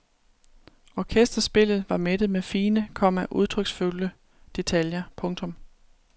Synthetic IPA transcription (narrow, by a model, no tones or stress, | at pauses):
ɒːkʰesd̥ɐsb̥e̝l̰ð̞̩ˠʋɑ̈med̥ð̞̩ˠmefiːnəkʰɒ̽m̰æʔuð̞ˠt͡sʰʁœɡ̥sfulə | d̥e̝t͡sʰæljɐpʰɔ̽ŋt͡sʰɔ̽m